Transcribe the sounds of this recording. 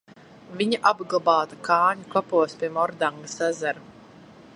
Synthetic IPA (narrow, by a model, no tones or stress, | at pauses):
viɲaʔabɡlˠabɑːt̪akʰɑːɲuklˠapuɔspʲiɛmɔɾd̪aŋɡasazaɾu